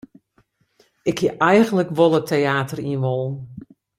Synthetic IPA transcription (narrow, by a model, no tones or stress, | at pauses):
ɪkhiʔɛjɣənləkʋolˠətʰːeaːtəriənʋɔlˠən